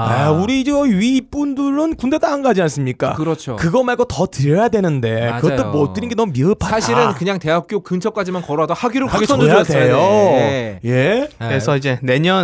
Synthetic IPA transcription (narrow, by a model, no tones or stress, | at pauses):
auɾiːd͡ʑeʌɥiːp͈unduɾɯnkunde̞t͈anɡad͡ʑians͈ɯmɲik͈a̰kɯɾʌt͡ɕʰo̰kɯɡʌmaɭɡotʌtɯɾjʌjadwe̞nɯnde̞kɯʌtt͈omʌt͈ɯɾinɡenʌmumiɯpʰaaɕʰiɾɯnkɯɲaŋte̞ɦap̚k͈jokɯŋt͡ɕʰʌk͈ad͡ʑimankʌɾoadʌhaɡiɾɯaɡʰjadwejoeje̞ɾesʰʌid͡ʑe̞ne̞ɲʌn